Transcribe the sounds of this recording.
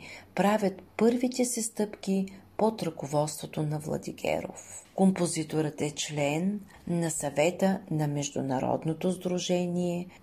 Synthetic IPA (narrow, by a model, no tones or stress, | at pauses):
pɾavʲət̪pɤɾvit̪ɛsɛst̪ɤpkipot̪ɾəkovɔt̪st̪vot̪onɐvlˠɐ̰d̪ḭɡɛ̰ɾo̰fkompozit̪oɾət̪ɛt͡ʃlɛnː | ɐsɐvɛt̪ənɐmɛʒd̪ʊ̰nɐɾɔ̰d̪not̪ozd̪ɾuʒɛniɛ